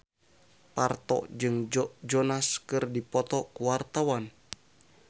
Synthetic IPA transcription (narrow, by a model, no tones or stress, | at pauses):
part̪ɔ̰ʔd͡ʒɨŋd͡ʒd͡ʒɔnaskɨrdipɔt̪ɔkuwart̪awan